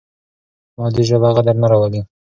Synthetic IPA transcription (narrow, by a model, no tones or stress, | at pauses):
mɑd̪iʒabaɣad̪aɾnaɾawali